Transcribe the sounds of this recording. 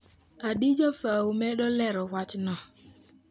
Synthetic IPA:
aɗid͡ʒɔfawumɛɗɔlɛɾɔwʷat͡ʃnɔ

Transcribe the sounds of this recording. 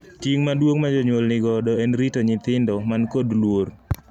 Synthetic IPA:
tiŋmadwoŋmad͡ʒɔɲwolnɪɡɔdɔɛnɾitoɲɪt̪ɪndɔmankodlwor

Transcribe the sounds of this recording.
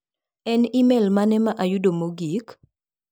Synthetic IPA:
ɛnimɛlmanɛmaʔajudomoɡik

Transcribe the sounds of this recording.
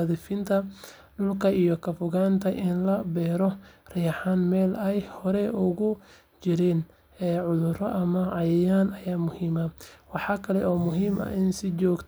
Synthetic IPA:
ðɪfɪnt̪ʰɐ | ɖʊlkʰɐijɔkʰɐfʊɣaːnt̪ʰɐʔɪnlɐbɛːɾɔrɪjɑħaːnmɛːlɛjhɔɾɛʔʊɣʊ | t͡ʃɪɾɛːn | ɛːʕʊðʊrɔʔɐmɐʕɑjɛjaːnɐjaːmʊhiːmɐwɑħɑːkʰɐlɛʔɔːmʊɦiːmɐ̰ɪnsɪt͡ʃɔːɡt̪ʰ

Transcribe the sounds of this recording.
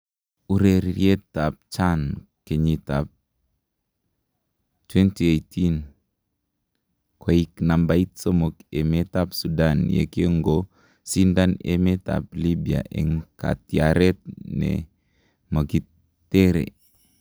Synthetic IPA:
uɾeɾiietːap̚t͡ʃan | keɲitap̚ | twɛntiejtʰin | koiknambait̚somokemetapsudanjḛkeŋɡo | sindanḛmeta̰plibia̰ʔḛŋka̰tiaɾet̪̚nḛ | məɡitː | eɾḛ

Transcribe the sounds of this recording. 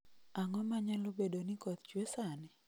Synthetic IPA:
aŋɔmaɲalobedonɪkɔt̪̚t͡ʃwesanɪ

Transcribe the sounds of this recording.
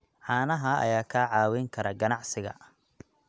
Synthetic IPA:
ʕɑːnɐɦɐɐ̰jaːkʰaːʕɑːwɛjŋkʰɐɾɐɡɐnɑʕsɪɣɐ̰

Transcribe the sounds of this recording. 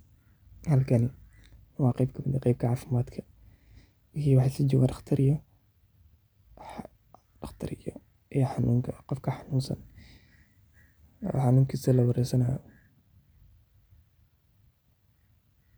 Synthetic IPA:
hɐlkʰɐnɪ | wɑːqɛjbkʰɐmɪd̪ɐqɛjb̚kʰɐʕaːfɪmaːd̪kʰɐ | kiːwɑħsid͡ʒɔːɡaːndɐxt̪ʰɐɾɪjɔ | dɑxt̪ʰɪɾɪjɔ | ʔɛħɑnṵːŋkʰɐqɔfkʰɐħɑnuːnsɐ̰n | ɔ̰ħɑnuːŋkʰisɐlɐwɑɾɛsɐnaːjɔ

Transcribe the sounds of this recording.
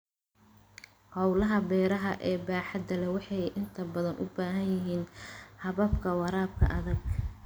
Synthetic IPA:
hɑwlɐɦɐbɛːɾɐɦɐʔɛːbaːħɑd̪ɐlɛwɑħɑjʔɪnt̪ʰɐbɐðɐnʔʊ̰baːɦɐnjɪɦiːnhɐβɐbkʰɐwɑɾaːb̚kʰɐ̰ʔɐðɐɡ

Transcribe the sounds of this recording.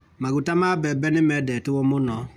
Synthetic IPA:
maɡutamabɛbɛnɪmɛdɛtuwomonɔ

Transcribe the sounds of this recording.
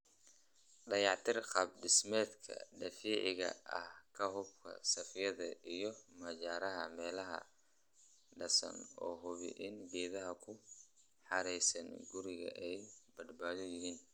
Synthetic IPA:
ɖɐjɑʕt̪ʰɪrqɑb̚ɖɪsmɛːd̪kʰɐ̰ɖɐfiːʕɪɣɐ̰ʔɐ̰hkʰɐɦʊbkʰɐ̰sɐfjɐðɐʔijɞmɐt͡ʃaːɾɐɦɐmɛːlɐɦɐ̰ | ɖɐsɐ̰nɔːɦʊβɪ̰ʔɪnɡɛːðɐɦɐkʰʊ | ħɑɾɛjsɐnɡʊɾɪɣɐ̰ʔɛjbɐd̪baːðɔjɪɦiːn

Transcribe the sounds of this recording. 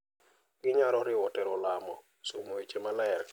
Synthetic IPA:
ɡɪɲaɾɔɾɪwɔtɛɾɔlamɔ | somoit͡ʃemalaɛr

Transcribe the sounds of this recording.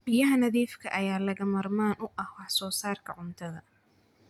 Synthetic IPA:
b̥ɪjɐɦɐnɐðiːfkʰɐ̰ʔɐjaːlɐɣɐmɐrmaːnʔʊʔɐhwɑħsɔːsaːrkʰɐʕʊnt̪ʰɐðɐ

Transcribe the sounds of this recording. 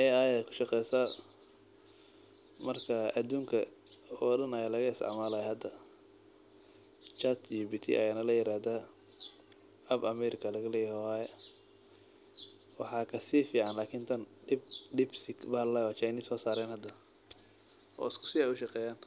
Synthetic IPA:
ʔɛajɛkʰʊ̥ʃɑqɛjsɐ | mɐrkʰɐɐd̪uːŋkʰɐ | ɔːɖɐnɐjalɐɣɐɪst̪ɪ̰ʕmaːlajhɐd̪ɐ | t͡ʃɐt̪jɔbiːt̪ʰḭʔɐ̰janɐlɐjɪɾaːd̪a | ʔɐbɐmɛːɾɪkʰɐlɐɣɐlɛjɛhɔwaːjɛ | wɑħɑːkʰɐsiːfiːʕɑnlaːkʰiːnt̪ʰɐnɖɪbɖɪbsɪkbɐllawɔːt͡ʃajniːsɔːsaːɾɛːnhɐd̪ɐ | ʔɔ̰ːɪskʰʊ̥sɪɛːjʊʃɑqɛːjaːn

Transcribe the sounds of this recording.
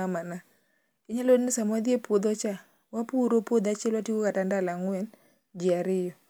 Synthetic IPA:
amana | kɪɲalodnɪsamwad̪iepod̪ot͡ʃa | wapuɾopod̪at͡ʃɛlwatikokatandalaŋwɛn | d͡ʒɪaɾɪjɔ

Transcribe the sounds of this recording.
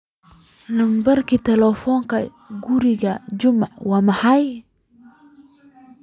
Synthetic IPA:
nɐmbɐrkʰiːt̪ʰɛlɛfɔːŋkʰɐ | ɡʊɾɪɣɐt͡ʃʊmʕwɑːmɑħɑj

